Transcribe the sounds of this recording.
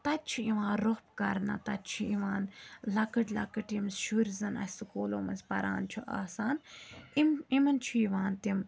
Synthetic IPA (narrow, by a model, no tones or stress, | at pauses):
t̪ɐt̪̚t͡ʃʰiiʋãːnɾohpkɐɾnɐ̰t̪ɐt̪̚t͡ʃʰiiʋaːnlɐkɨʈlɐ̰kɨʈimsʃuɾzɐnɐ̰sʲsɨkoːloːmɐnzʲpɐɾa̰ːnt͡ʃʰuʔa̰ːsaːnimimɐnt͡ʃʰujiʋaːnt̪im